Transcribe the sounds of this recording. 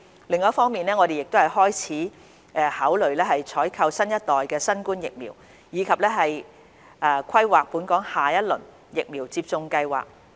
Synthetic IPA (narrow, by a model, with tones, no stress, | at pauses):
lɪ˨ŋːɔː˨˥fɔː˥ŋmiː˨nlɛː˥ŋɔ˨˧d̪e˨jɪ˨k̚t̪whɐ˨jɦɔː˥jt͡sʰiː˨˥ | ʔɛ˧haː˨˥wlɵ˨˩ɥlɛː˥hɐ˨jt͡sʰɔː˨˥jkʰɐ˧wsɐ˥njɐ˥t̚t̪ɔː˨˩jkɛː˧sɐ˥nkuː˥njɪ˨k̚mḭː˨˩w | jiː˨˧kʰɐ˨p̚lɛː˥ɦɐ˨j | ʔɛː˨˧kʷʰɐ˥jwaː˨k̚puː˨˥nkɔː˨˥ŋhaː˨jɐ˥t̚lɵ̰˨˩n | jɪ˨k̚miː˨˩wt͡siː˧p̚t͡sʊ˧ŋkɐ˧jwa̰ː˨k̚